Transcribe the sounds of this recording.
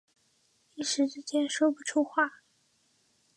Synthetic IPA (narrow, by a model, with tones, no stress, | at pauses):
i˥˩ʂɻ̩˧˥ʈ͡ʂɻ̩˥t͡ɕjɛ˥nʂwɔ˥pu˥˩ʈ͡ʂʰu˥xwa˥˩